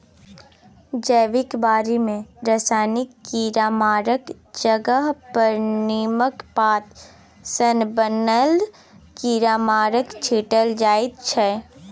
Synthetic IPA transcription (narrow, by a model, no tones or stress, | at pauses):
d͡ʒəːʋɪkbaːɾimẽɾəsaːnɪkːiːɾaːmaːɾək | d͡ʒəɡəɦpəɾniːməkpaːt̪ | sənbənəl | kiːɾaːmaːɾəkt͡ʃʰiːʈəld͡ʒaːɪt̪̚t͡ʃʰɛː